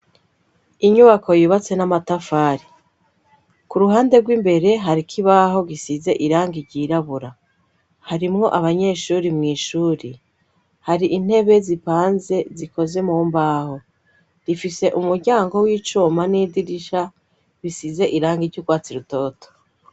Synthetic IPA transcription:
iɲuβakʰo̞juβat͡se̞namatafaːɾi | kuɾuɦaːnde̞ɾɡwimbe̞ɾe̞ɦaɾikʰiβaɦo̞ɡisize̞ʔiɾaːŋɡiɾɟiɾaβuɾa | haɾimŋo̞ʔaβaɲe̞ʃuːɾimŋiːʃuːɾi | haɾiʔin̥he̞βe̞zipaːnze̞ziko̞ze̞muːmbaːho̞ | ɾifise̞ʔumuɾɟaːŋɡo̞wiːt͡ʃuːmanidiɾiʃa | βisize̞ʔiɾaːŋɡiɾɟuɡwaːt͡siɾuto̞ːto̥

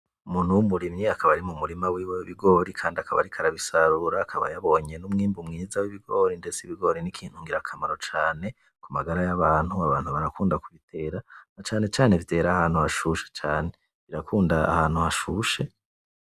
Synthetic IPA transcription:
umuːn̥huumuɾimɲiakʰaβaɾimumuɾimawiːweiβiɡo̞ɾikʰaːndiakʰaβa̰ɾikʰaɾaβisaɾuɾaːkʰaβa̰jaβo̞ɲe̞numŋiːmbumŋiːzawiβiɡo̞ːɾinde̞t͡siβiɡo̞ɾinikʰiːn̥uŋɡiɾakʰamaɾo̞t͡ʃaːne̞ | kumaɡaɾajaβaːn̥huaβaːn̥huβaɾakuːndakuβitʰe̞ːɾaat͡ʃaːne̞t͡ʃaːnevde̞ːɾahaːn̥huhaʃuʃe̥t͡ʃaːne̞ | βiɾakuːndaa̰haːn̥huhaʃuːʃe̞

